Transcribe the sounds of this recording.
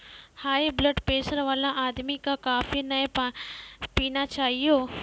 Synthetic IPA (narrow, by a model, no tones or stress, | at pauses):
haːebləɖpeːsəɾʋaːlãʔaːd̪mikãkaːfinaẽpãpiːnat͡ʃaːɦijoː